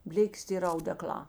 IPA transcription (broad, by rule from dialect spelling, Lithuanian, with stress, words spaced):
ˈbʲlʲeːkʲeːs tɐ ˈiːr ɐʊdʲɛˈklˠɑː